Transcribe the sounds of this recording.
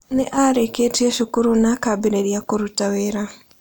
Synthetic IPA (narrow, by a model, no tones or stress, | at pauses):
neʔaɾeketieʃukuɾunakabiɾeɾjakoɾutaweɾa